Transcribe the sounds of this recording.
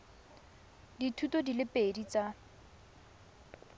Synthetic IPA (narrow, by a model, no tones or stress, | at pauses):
ditʰutodilɪpedit͡sa